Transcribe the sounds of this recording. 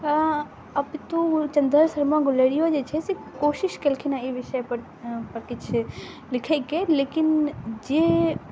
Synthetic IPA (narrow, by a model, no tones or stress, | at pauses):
ɐbt̪ot͡ʃɐ̃nd̪əɾsɐɾmaɡʊleːɽijod͡ʒeːt͡ʃʰesikoːʃɪʃkelɪkʰinaiʋɪʃəjpɐɾ | pɐɾkɪt͡ʃʰ | lɪkʰekeleːkɪnd͡ʒeː